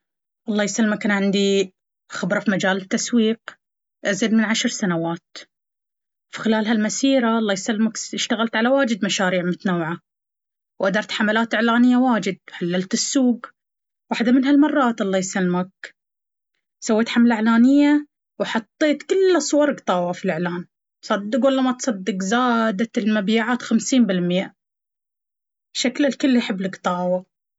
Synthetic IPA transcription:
ʔɑlˤːɑːjsalmakːaːnʕɪnd̪i | xabɾˤɑfimad͡ʒaːlɪt̪ːaswiːq | ʔazad̪mɪnʕaʃɾsanawaːt̪ | fi̥xɪlaːlɦalmasiːɾaɑlˤːɑːjsalmakɪʃt̪aɣalt̪ʕalawaːd͡ʒɪd̪maʃaːɾiːʕmʊt̪anawʕa | wʔad̪ɑɾˤt̪ħamalaːt̪ʔɪʕlaːnɪjːawaːd͡ʒɪd̪̚ħalːalt̪ɪsːuːɡ | waħd̪amɪnɦalmɑrˤːɑːt̪ʔɑlˤːɑjsalmak̚ | sawːeːt̪ħamlaʔʕlaːnɪjːa | wħɑt̪ˤːeːt̪kʊlːsˤʊwɑɾˤqt̪ˤɑːwafilɪʕlaːn | t̪sˤɑd̪ːɪqwalːamat̪sˤɑd̪ːɪqzaːd̪at̪ɪlmabiːʕaːt̪xamsiːmbɪlmja | ʃaklɪlkɪlːiħɪbːlɪɡt̪ˤɑːwa

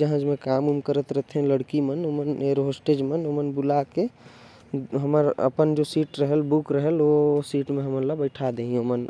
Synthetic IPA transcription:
d͡ʒəɦə̃d͡ʒmẽkamumkəɾət̪ɾəɦt̪ʰɦẽləɽkimənoməneɾɦosʈed͡ʒmənomənbulake | ɦəməɾə̰pənd͡ʒosiʈɾəɦəlbukɾəɦəlosiʈmẽɦəməɾlabəɪʈʰad̪eɦĩomən

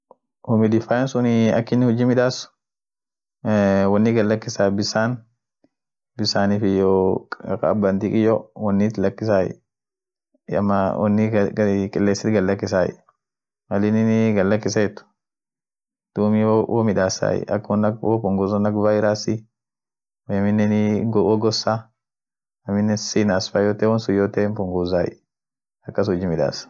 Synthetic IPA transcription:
wɔmɪd̪ɪfajɐnsʊnɪɐ̰kːɪnːɪhʊd͡ʒiːmɪᶑaːsʊ̥ | wɐnːɪɡɐlːɐkːɪsaːbɪsaːn | bɪsaːnɪfɪjɔkɐ̰ːbːɐnt̪ikʼɪjɔwɐnːiːt̪lɐkːɪsaːj̰ | ɐ̰mːɐ̰nːɪɐkʼɪlːeːsːɪt̪ɡɐlːɐkːɪsaːjɪ̰ | mɐlinɪniɡɐlːɐkːɪseɛt̪ʊ̥ | d̪̥uːmiwɔwʔɔmɪᶑaːsa̰ːjɪ̰ɐ̰kːɔnɐwɔpʊŋɡʊzɔnɐɡvaːjɪɾaːsi | wɐmɪnːɛnɡɔwɔɡɔsːaː | ɐmɪnːɛsinaːsfaːjɔt̪ɛwɔnsʊjoːt̪eːmpʊŋɡʊzaːjɪ̰ | ɐkːɐs̬ɔd͡ʒimɪᶑa̰ːs

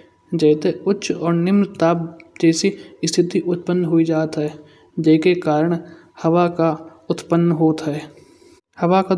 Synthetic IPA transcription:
d͡ʒɛːt̪eʊtːʃʰɔːɾnɪmɾt̪aːb̚d͡ʒɛːsist̪ʰɪt̪iʔʊt̪̚pənːɦʊid͡ʒaːt̪ɦɛː | d͡ʒɛːkekaːɾəɽ̃ | hɐʋakaʊt̪pənːɦoːt̪ɦɛː | hɐʋaka

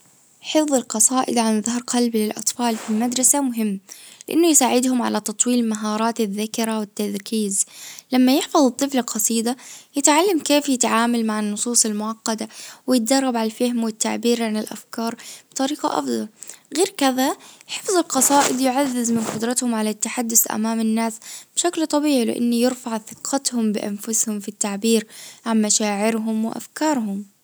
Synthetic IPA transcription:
ħɪfðˤɪlqɑsˤɑːʔɪ̰d̪ʕanðaɦɾˤqɑlblɪlʔɑ̰t̪ˤfɑːlfilmad̪ɾˤɑsamʊɦɪmːlɪʔanːʊjsaːʕɪd̪hʊmʕa̰lat̪ɑt̪ˤwiːlmaɦɑːɾˤɑːt̪ɪðːakɾawɪt̪ːad̪kiːzlamːajɪħfɑðˤɨt̪ˤːɨflɪlqɑsˤiːd̪ajɪt̪ʕalːamkeːfjɪt̪ʕaːmalmaʕɪnːʊsˤuːsˤɪlmʊʕɑqːɑd̪awɪjɪt̪ad̪ɑrˤːɑbʕaalfahmwɪt̪ːaʕbiːɾʕanɪlʔa̰fkɑːɾˤb̥t̪ˤɑɾiːqɑ̰ʔɑ̰fd̪ˤɑlɣeːɾkɪðaħɪfzˤɪlqɑsˤɑːʔɪd̪jɪʕazːɪzmɪnqʊd̪ɾˤɑt̪hʊmʕalat̪ːaħad̪ːʊsʔa̰maːmɪnːaːsb̥ʃaklt̪ˤɑbiːʕilɪ̰ʔɪ̰nːjɪɾfaʕθɪqʰːɑt̪hʊmbɪʔa̰nfʊshʊmfit̪ːaʕbiːɾʕanmaʃaːʕɪɾɦʊmwɪ̰ʔa̰fkɑːɾˤɦʊm

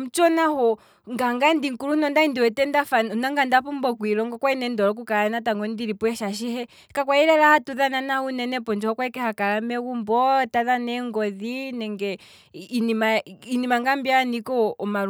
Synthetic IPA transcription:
m̩t͡ʃɔnahɔ | ŋɡaŋɡandiŋkuɾunɔndaindiwɛtɛndafanunaŋɡandapumbɔkwiɾɔŋɡɔkwainɛndɔɾɔk̬ukaanat̬aŋɡɔndiɾipuɛʃaʃ̬iɦɛ | kakwaiɾɛɾahatuðananahunɛnɛpɔnd͡ʒɔhɔkwaɛkɛhakaɾamɛɣumbɔtaðanɛŋɡɔðinɛŋɡɛ | inimainimaŋɡambianikɔːma

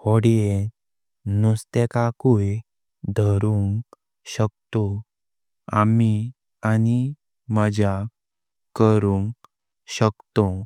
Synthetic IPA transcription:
hoɽie | nust̪ekakuj | d̪ʱəɾuŋ | ɕək̚t̪o | ami | ani | məd͡ʑʱa | kəɾuŋ | ɕəkt̪õ

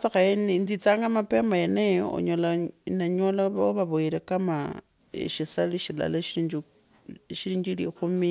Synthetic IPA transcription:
saxaennd͡zit͡saːŋɡamape̞ːmbaenejoo̰ɲolanaɲolaβoβaβoiɾekama̰ | ʃisaliʃila̰laʃiiɲd͡ʒi | ʃiɾiːɲd͡ʒilixumi

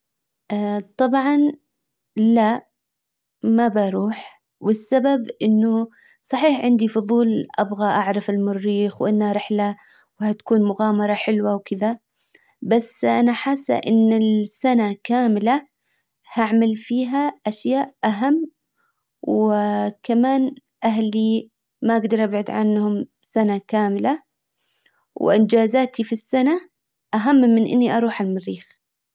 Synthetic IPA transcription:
ʔat̪ˤɑbʕɑn | la | mabɪʔɾˤuːħ | wɪsːababʔɪnːʊ | sˤɑħiːħʕɪnd̪ifʊðˤuːlʔa̰bɣaʔaʕɾˤɑfɪlmʊrːiːxwʔɪnːhaɾˤɪħla | what̪ḁkuːnmʊɣaːmɑɾˤɑħɪlwawkɪða | basːʔanaħasːa̰ʔɪnːɪsːanakaːmɪla | haʕmalfiːɦaʔaʃjaːʔʔaɦamː | wkamaːn | ʔaɦli | maʔaɡd̪ɑɾˤʔabʕʊd̪ʕa̰nːhʊm | sanakaːmɪla | wʔɪ̰nd͡ʒaːzaːt̪ifisːana | ʔaɦamːmɪnʔɪ̰nːiʔɑɾˤuːħalmɪrːiːx

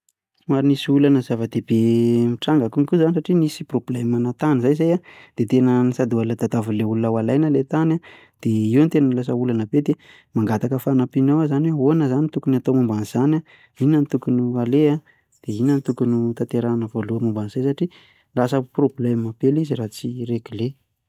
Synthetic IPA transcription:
maɾinisiulanəzavəd̪ebemiʈ͡ʂaŋɡəkuŋikuzanis̬aʈ͡ʂinisiproblemanat̪anizajzajad̪̥et̪enənisad̪ualat̪at̪avuleulunəwalajnəlet̪ana | d̪̥eiwant̪enənlas̬əulanəbed̪e | maŋɡat̪akəfanapinowazanwaonəzanit̪ukunat̪omumbanz̥ana | inənit̪ukunualea | d̪̥einənt̪ukunut̪at̪eɾananəvoluəmumbanizajsaʈ͡ʂi | lasəprobleməpelizirat͡sirekile

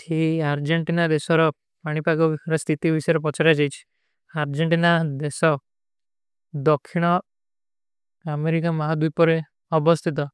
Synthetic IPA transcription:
ʈʰikaɾd͡ʒeɳʈinad̪esɔɾɔ | paɽ̃ipakɔɾɔst̪ʰit̪ibisɔjɔɾɔpɔt͡ʃaɾjad͡ʒajt͡ʃʰi̥ | aɾd͡ʒeɳʈinad̪esɔ | d̪ɔkʰːiɽ̃ɔ | ameɾikamaɦad̪wipɔɾe | ɔbɔst̪ʰit̪ɔ

